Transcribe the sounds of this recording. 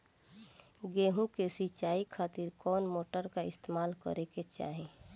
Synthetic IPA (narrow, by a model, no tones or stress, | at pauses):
ɡeːɦũkesit͡ʃaːikʰaːt̪iɾkɔːnmoːʈəɾkaɪst̪eːmaːlkə̰ɾeket͡ʃa̰ːɦẽ